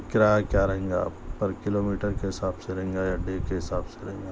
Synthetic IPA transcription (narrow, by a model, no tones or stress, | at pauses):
kɪɾaːakjaːɾɐɦẽːŋɡa̰pɐɾkɪloːmiːʈəɾkeɦɪsaːbseɾɐɦẽːŋɡajaɖeːkeɦɪsaːbseɾɐɦẽːŋɡa